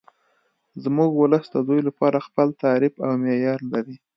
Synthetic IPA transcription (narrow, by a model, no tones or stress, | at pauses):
zmuɡwʊləsd̪əd̪ujlapɑɾaxpəlt̪ɑɾɪbawmejɑɾlaɾi